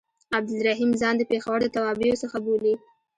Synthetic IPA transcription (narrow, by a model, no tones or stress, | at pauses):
ab̚d̪ɪlɾaɦimzɑnd̪əpexawəɾd̪ət̪awɑbijosəxaboli